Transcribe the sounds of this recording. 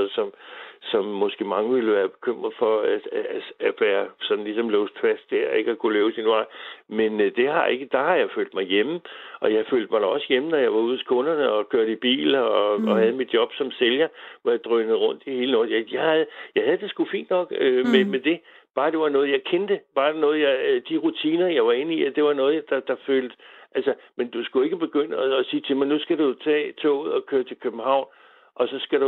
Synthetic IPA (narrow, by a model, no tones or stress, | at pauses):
ð̩ˠsɒ̽msɒ̽mːɒ̽sɡ̥e̝mɑ̈ŋəʋiləʋæːɐb̥e̝̥kʰøm̰ʁɐð̩ˠfɒ̽æ̥ææʋæːɐsɒ̽d̥n̩lisɒ̽mlɔːsfæsd̥deɐ̰e̝ɡ̥ɒkʰuleːʊsinʋɑ̈ɪ̰mend̥e̝ɦɑ̈ʔe̝ɡ̥əd̥ɑ̈hɑ̈jɑ̈ɪfø̰ːld̥mɑ̈ɪjeməʔɒ̽jɑ̈ɪføːld̥mɑ̈ɪ̥ɑ̈ɒ̽səjemənɒjɑ̈ɪʋɑ̈uð̰ˠt͡sʰe̝̥kʰɔ̽nɐnəɒ̽kʰøɐ̰ɾeib̥ḭːlɒɒhæð̞̩ˠmid̥̚jɒ̽b̥sɒ̽mseljɐʋɒjäɪd̥ʁœnð̩ˠʁɔ̽n̰d̥ihe̝ːlənɔjjɑ̈ɪhæð̩ˠjɑ̈ɪhæð̞̩ˠd̥e̝sɡ̥ufḭːnd̥nɒ̽ɡ̥ømemed̥e̝ | b̥ɑ̈ːd̥e̝ʋɑ̈nɔ̽ːð̞̩ˠjɑ̈ɪkʰend̥əb̥ɑ̥̈ːnɔ̽ːð̞̩ˠjɑ̈d̥iʁut͡sʰiːnɐjɑ̈ɪʋɑ̈e̝nəiæd̥e̝ʋɑ̈nɔ̽ːð̞̩ˠd̥ɑ̈d̥ɑ̈føːld̥ʔælsɐmend̥usɡ̥ue̝ɡ̥əb̥e̝ɡ̥øn̰əɒːsiːt͡sʰe̝mɑɪnusɡ̥æɾut͡sʰɛ̰ːt͡sʰo̰ːuð̩̰ˠɒkʰøːɐt͡sʰe̝lkʰøb̥m̩hɑ̈ʊ̰n | ʔɒ̽sɒ̽sɡ̥æɾ̥u